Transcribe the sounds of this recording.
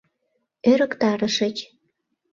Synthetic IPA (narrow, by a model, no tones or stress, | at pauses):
øɾəkt̪ɑɾəʃə̆t͡ɕ